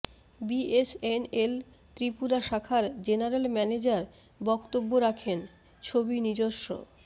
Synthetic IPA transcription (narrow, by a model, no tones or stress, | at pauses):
biesenel | t̪ɾipuɾaʃakʰaɾd͡ʑenaɾelmɛned͡ʑaɾ | bɔkt̪obːoɾakʰen | t͡ɕʰobinid͡ʑoʃːo̰